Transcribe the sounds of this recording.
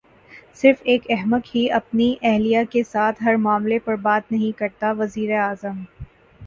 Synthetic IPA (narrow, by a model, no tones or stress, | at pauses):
sɪɾfeːkɛɦmək̪ɦiɐp̚niʔɛɦlijakesaːt̪ʰɦɐɾmaːmlepɐɾbaːt̪nɐɦĩkɐɾt̪aʋɐziːɾeaːzəm